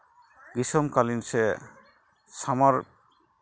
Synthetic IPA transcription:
ɡisɔmkalinsɛ | samaɾ

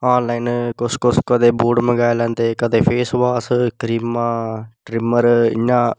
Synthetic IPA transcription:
aːnlaːɪnkʊskʊskəd̪eːbuːɖməɡaːjlɛ̃ːnt̪eːkəd̪eːpʰeːsʋaːskɾiːmãːʈɾɪməɾɪ̰ɲãː

